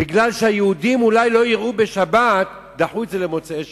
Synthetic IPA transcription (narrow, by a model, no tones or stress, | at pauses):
biɡlalʃeajeud̪imulajlo̞jiʁʔubeʃabat̪ | d̪aħuezelemo̞t͡se